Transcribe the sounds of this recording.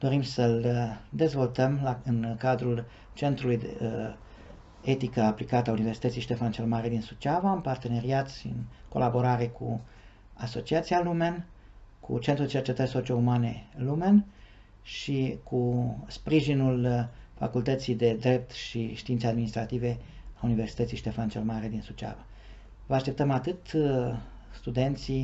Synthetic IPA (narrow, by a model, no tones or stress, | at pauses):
d̪̥o̞ɾimsəld̪e̞zvo̞lt̪əmlaɨnkad̪ɾul | t͡ʃe̞nt̪ɾulujd̪ḛ | et̪ikəaplikat̪əauniversit̪ət̪sijʃt̪e̞fant͡ʃelmaɾed̪insut͡ʃavaɨnpart̪e̞ne̞ɾiat̪sɨ̰nko̞̰labo̞ɾaɾe̞kṵ | aso̞t͡ʃiat̪sialumen | kʰṵt͡ʃent̪ɾud̪et͡ʃe̞rt͡ʃe̞t̪ərʲso̞t͡ʃio̞umane̞lumen | ʃikʰuspɾiʒinulfa̰kult̪ət̪sijd̪e̞d̪ɾe̞p̚t̪ʃiʃt̪iint̪ead̪minist̪ɾat̪ive̞auniversi̥t̪ət̪siʃt̪e̞fant͡ʃelmaɾed̪insut͡ʃa̰va | vəaʃt̪e̞p̚t̪əmat̪ɨt̪ | st̪ud̪e̞nt̪si